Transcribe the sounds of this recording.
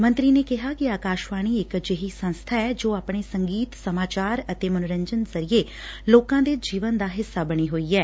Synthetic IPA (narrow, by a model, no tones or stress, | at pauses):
mə̃nt̪ɾiːneːkɪɦaːkɪaːkaːʃʋaːɽ̃iːɪkd͡ʒeɦiːsə̃nst̪ʰaːɛːd͡ʒoːaːpɳ̃eːsəŋɡiːt̪səmaːt͡ʃaːɾət̪eːmənʊɾə̃ɲd͡ʒənzəɾieː | loːkãːd̪eːd͡ʒiːʋənd̪aːɦɪsːaːbəɽ̃iːɦoːiːɛː